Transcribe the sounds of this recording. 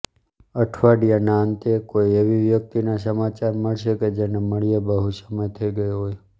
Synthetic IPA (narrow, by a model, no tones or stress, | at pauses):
əʈʰʋaɖijanaənt̪ekoieʋiʋjək̚t̪inas̬əmat͡ʃaɾməɭʃeked͡ʒeneməɭijebəɦusəməjt̪ʰəiɡəjoɦoj